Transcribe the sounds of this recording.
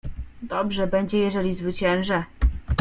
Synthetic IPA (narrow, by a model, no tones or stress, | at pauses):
d̪ɔbʐɛbɛɲd͡ʑɛjɛʐɛlʲizvɘt͡ɕɛ̃wʐɛ